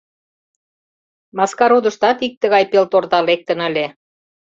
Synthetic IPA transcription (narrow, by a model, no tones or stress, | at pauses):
mɑskɑɾud̪ə̆ʃt̪ɑt̪ik̚t̪əɣɑjpelt̪ort̪ɑlek̚t̪ənə̆lʲe